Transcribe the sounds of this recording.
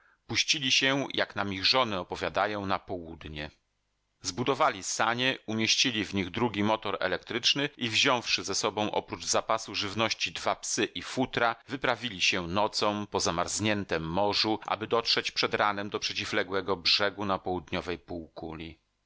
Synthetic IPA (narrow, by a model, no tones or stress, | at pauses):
puɕt͡ɕilʲiɕɛjʔaknamʲiɣʐɔnɛɔpɔvʲjad̪ajɔ̃w̃napɔwud̪ɲɛ | zbud̪ɔvalʲisaɲɛumʲjeɕt͡ɕilʲivɲiɣd̪ɾuɡʲimɔt̪ɔɾɛ̰lɛkt̪ɾɘt͡ʂnɘʔivʑɔ̃w̃fʂɘzɛsɔbɔ̃w̃ʔɔ̰pɾud͡ʐzapasuʐɘvnɔɕt͡ɕid̪vapsɘʔifut̪ɾavɘpɾavʲilʲiɕɛnɔt̪sɔ̃w̃pɔzamaɾzɲɛnt̪ɛmːɔʐuʔa̰bɘd̪ɔtʂɛt͡ɕpʂɛd̪ɾanɛmd̪ɔpʂɛt͡ɕivlɛɡwɛɡɔbʐɛɡunapɔwud̪ɲɔvɛjpuwkulʲi